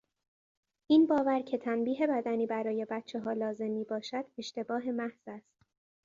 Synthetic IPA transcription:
ʔiːnbɒːvæɾcʰe̞t̪ʰænbiːɦe̞bæd̪æniːbæɾɒːje̞bæt̪̚t͡ʃʰeɦɒːlɒːze̞mːiːbɒːʃæd̪̥e̞ʃt̪e̞bɒːɦe̞mæhz̥æst̪

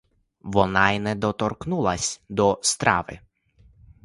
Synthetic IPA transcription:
ʋɔnɑinɛd̪ɔt̪ɔrknulˠɐsʲd̪ɔst̪ɾɑ̰ʋɪ̰

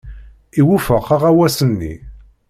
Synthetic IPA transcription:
iwufəqːaʁæwæsənːḭ

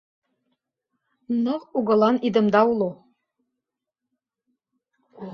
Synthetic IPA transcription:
nɤʁuɣɤ̆lˠɑnid̪ə̆md̪ɑulˠu

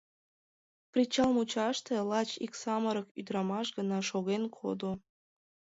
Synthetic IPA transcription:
prʲit͡ɕɑlmut͡ɕɑʃt̪elɑt͡ɕiksɑməɾəkyd̪ɾɑmɑʃɡənɑʃoɣenkʰo̰d̪o

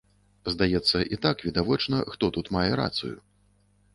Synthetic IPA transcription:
zd̪ajɛt̪sːɐʔit̪akvʲid̪avɔt͡ʂnɐxt̪ɔt̪ut̪majɛɾa̰t̪sṵjṵ

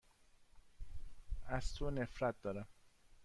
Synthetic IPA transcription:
æz̥t̪ʰonefɾæt̪̚d̪ɒːɾæm

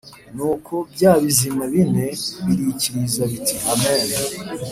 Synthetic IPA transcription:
nuːkʰo̞bɟaːβizimaβineβiɾiciɾizaβitʰiʔameːɾa

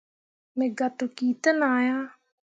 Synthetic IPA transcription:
mɛ̃ːɡat̪ukiːt̪ənaːjaː

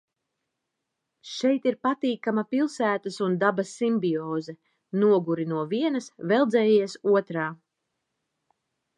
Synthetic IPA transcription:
ʃɛjt̪iɾpat̪iːkamapilˠsæːt̪ɐsund̪abɐsimbiɔːzɛ | nuɔɡuɾinuɔviɛnɐsvɛlˠd̪zɛːjiɛsuɔt̪ɾaː

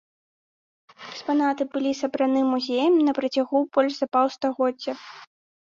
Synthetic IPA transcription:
ɛkspanat̪ɨbɨlʲisɐbɾanɨmːuzʲejɐmnɐpɾɐt͡sʲaɣubɔlʲʐzɐpawst̪aɣɔdd͡zʲːɐ

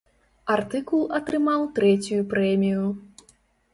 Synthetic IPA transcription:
art̪ɨkulˠɐt̪ɾɨmawt̪ɾɛt͡sʲujupɾɛmʲiju

